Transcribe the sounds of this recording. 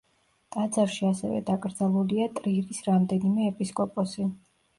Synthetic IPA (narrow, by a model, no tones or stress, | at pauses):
t̪ʼad̪zaɾʃiasɛ̰vɛ̰d̪akʼɾd̪zalˠuliat̪ʼɾiɾisɾamd̪ɛnimɛːpʼiskʼɔpʼɔsi